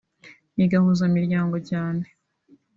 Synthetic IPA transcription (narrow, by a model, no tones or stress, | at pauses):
niɡahuzamiɾɟaːŋɡo̞ɟaːne